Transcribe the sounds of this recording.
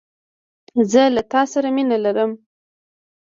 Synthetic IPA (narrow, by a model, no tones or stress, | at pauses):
zəlat̪ɑsaɾaminalaɾəm